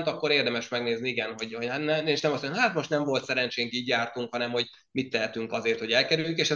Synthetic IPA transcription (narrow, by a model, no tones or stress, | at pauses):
nt̪ɒkːo̞ɾeːrd̪ɛmɛʃmɛɡneːzniiɡɛnɦo̞ɟhot̪nɛeʃnɛmɒsoɲnɦaːt̪moʃt̪nɛɱvo̞lt̪sɛɾɛnt͡ʃeːŋkiːɟjaːrt̪uŋkhɒnɛmho̞ɟ | mit̪ːɛɦɛt̪yŋkɒzeːrt̪ho̞ɟɛlkɛɾyjyŋkeːʃɛ